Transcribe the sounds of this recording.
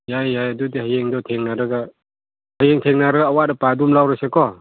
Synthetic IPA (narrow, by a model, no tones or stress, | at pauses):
jajajadudihajeŋdɔtʰeŋnaɾaɡa | hajeŋtʰeŋnaɾaɡaːwadapadumlawɾasekɔ